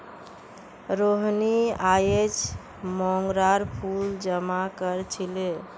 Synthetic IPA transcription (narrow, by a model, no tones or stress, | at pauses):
ɾoɦniajet͡ʃ | mɔŋɡɾaɾpʰuld͡ʒəmakəɾt͡ʃʰile